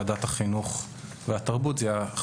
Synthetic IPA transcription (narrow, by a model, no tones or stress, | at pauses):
d̪at̪haχinuχ | veat̪aʁbut̪zɛja